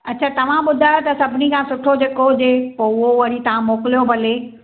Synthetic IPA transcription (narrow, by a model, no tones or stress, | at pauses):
ɐtːt͡ɕʰaːt̪ɐʋ̤ãɓʊd̪ʱaːjot̪ɐsɐbʱɪnikʰãːsʊʈʰod͡ʑeːkod͡ʑeːpoʊɦoʋɐɾit̪ɐʋ̤ãmoːkɪlijopɐleː